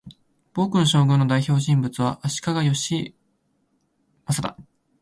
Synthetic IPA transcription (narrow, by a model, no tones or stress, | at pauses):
b̥o̞ːkɯ̟noɕo̞ːɡɯ̟̃no̞d̪aiço̞ːɕĩmbɯ̟t͡sɨβ̞aʔaɕi̥kaɡajo̞ɕi | masat̪a̰